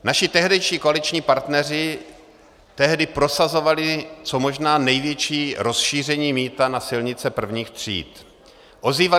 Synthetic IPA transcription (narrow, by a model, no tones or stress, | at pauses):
naʃɪt̪ɛɦdɛjʃiːkoalɪt͡ʃɲiːpaɾt̪nɛrɪ | t̪ɛɦdɪpɾo̞sazo̞valɪt͡so̞mo̞ʒnaːnɛjvjɛt͡ʃiːɾo̞sʃiːr̝ɛɲiːmiːt̪anasɪlɲɪt͡sɛpr̩vɲiːxt̪r̝̥ḭːt̪ | ʔo̞ziːva